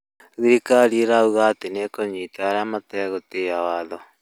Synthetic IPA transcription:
ɣiɾikaɾiɾauɣaːtenekoɲiːtaaɾeamatɛɣoteawaːðɔ

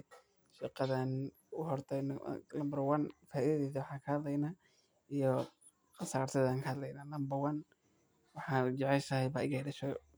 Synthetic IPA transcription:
ʃɪqɐðan | ʊɦɔrt̪ʰɛjnɐmbɐrwɐnfaːʔiðɐðɛːðɐwɑħɑːkʰɐhɐd̪lɛjnaː | ijɔ | qɑsaːrt̪ʰɐðaːŋkʰɐhɐd̪lɛjnaːnɐmbɐrwɐn | wɑħɑːnʊd͡ʒɛʕɛʃɐhɛjbaːʔɪɣɐlɐʃɛ

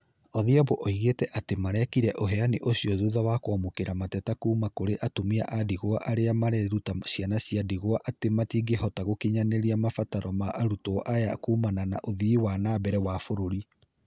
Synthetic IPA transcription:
ɔðiaboʔɔiɣetɛʔatemaɾɛkiɾɛʔoɦɛaneʔosiɔðuðawakwamokeɾamatɛtakuːmakoɾeʔatomia̰ʔadiɣoaʔaɾeamaɾɛɾutasianasiadiɣoaʔatematiːɡehɔtaɣokeɲaneɾiamafataɾɔmaʔːɾutoʔajakuːmanana̰ʔoðiːwanaːbɛɾɛwafoɾoɾi

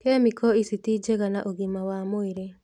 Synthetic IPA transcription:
kemɪkɔisitid͡ʒeɡanaʔoɡimawamʊɪɾe

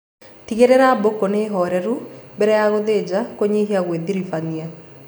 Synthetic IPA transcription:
tiɣeɾeɾabokoneɦɔɾɛɾubɛɾɛjaɣoðed͡ʒakoɲiɦiaɣweðiɾifania

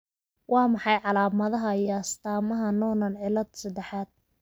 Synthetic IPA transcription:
wɑːmɑħɑjʕɑlaːmɐðɐɦɐijɔɐst̪ʰaːmɐɦɐnɔːnɐnʕɪlɐd̪sɐd̪ɛħaːd̪̥̚

